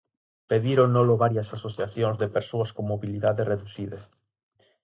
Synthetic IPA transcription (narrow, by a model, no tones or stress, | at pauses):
peðiɾonːoloβaɾjɐsasoθjaθjoŋzðepeɾsoɐskoŋmoβiliðaðereðuθiðɐ